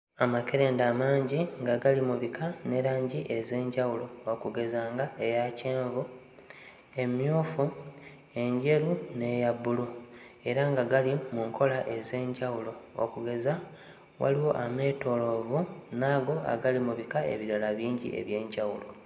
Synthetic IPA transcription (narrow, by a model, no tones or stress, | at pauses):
amake̞ɾe̞ːndaːmaːɲɟiŋɡaɡalimuβikʰane̞ɾaːɲɟiʔe̞ze̞ːɲɟawulo̞okuɡe̞zaːŋɡaejace̞ːɱvu | e̞mjoːfu | e̞ɲɟe̞ɾune̞jabːulu | e̞ɾaŋɡaɡalimuŋkʰo̞laʔe̞ze̞ːɲɟawulo̞o̰kuɡe̞za | wa̰liwo̞ʔame̞ːto̞lo̞vunaːɡo̞a̰ɡalimuβikae̞̰βiɾalaβiːɲɟḭʔḛβje̞ːɲɟawulo̞